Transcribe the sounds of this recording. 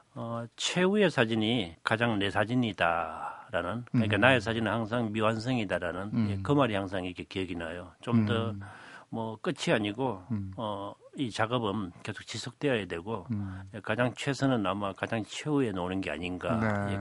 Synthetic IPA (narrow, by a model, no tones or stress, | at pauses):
ʌt͡ɕʰweue̞sʰad͡ʑiɲikad͡ʑaŋne̞sʰad͡ʑinidaɾanɯnkaikanaes̬ʰad͡ʑinɯnhaŋs̬ʰaŋmiwans̬ʰɯŋidaɾanɯnjekɯmaɾihaŋs̬ʰaŋikʰekiʌɡinajot͡ɕomdʌmwʌk͈ɯt͡ɕʰiaɲiɡoʌit͡ɕaɡʌbɯnke̞sʰo̥k̚t͡ɕisʰok̚t͈eʌjedwe̞ɡojekad͡ʑaŋt͡ɕʰwe̞sʰɯnɯnamakad͡ʑaŋt͡ɕʰe̞ue̞nonɯnɡe̞a̰ɲinɡa̰je